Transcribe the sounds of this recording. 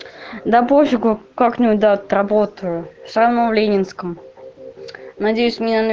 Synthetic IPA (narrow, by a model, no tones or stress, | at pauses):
d̪apofʲɪɡʊkaknʲɪud̪at̪ɾɐbot̪əjʊsavnovlʲenʲɪnskəm | nɐdʲejʊsʲmʲɪnʲanə